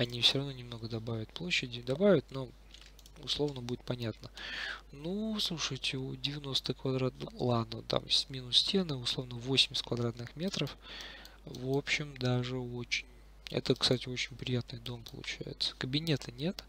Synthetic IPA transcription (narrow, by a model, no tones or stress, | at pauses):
ɐnʲifsʲoɾɐvnonʲɪmno̞ɡəd̪ɐbavʲɪt̪̚plˠo̞ɕːɪdʲɪd̪ɐbavʲɪt̪̚no̞ | ʊ̰slˠo̞vnəbudʲɪt̪̚pɐnʲat̪nənuslˠuʂɨjtʲɪdʲɪvʲɪno̞st̪ɨkvɐd̪ɾat̪lˠad̪nət̪a̰msʲmʲinʊssʲtʲe̞nɨʊslˠo̞vnəvo̞sʲɪmʲɪsʲt̪kvɐd̪ɾat̪nɨxmʲe̞t̪ɾəf | vo̞pɕːɪmd̪aʐɨot͡ɕɪ̥nʲ | ɛ̰t̪əkst̪atʲɪo̞t͡ɕɪnʲpɾʲɪjat̪nɨjd̪o̞mpə̰lˠʊ̰t͡ɕæ̰jɪ̰t̪sə̥kəbʲɪnʲe̞t̪ʰɨnʲe̞t̪